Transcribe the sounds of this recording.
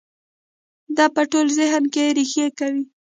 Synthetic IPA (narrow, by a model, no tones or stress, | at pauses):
d̪ɑpəʈolzɪɦnkeɾixjekawi